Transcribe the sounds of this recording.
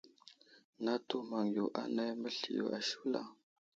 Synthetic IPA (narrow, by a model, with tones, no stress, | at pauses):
na˦tu˦ma˨ŋjo˨ʔa̰˦na˦jmə˦ɬi˨jo̰˨ʔa˨ʃu˦la̰˨